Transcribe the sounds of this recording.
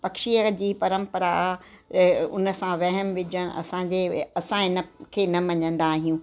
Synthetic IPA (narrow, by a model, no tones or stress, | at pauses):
pɐkʃiəd͡ʑiːpɐɾə̃mpəɾa | ʊ̰nə̆sãʋɐɦəmʋɪd͡ʑəñɐ̰sãɲd͡ʑeɐsãɪnə̆kʰeːnɐmɐɲə̃nd̪aːɦijũː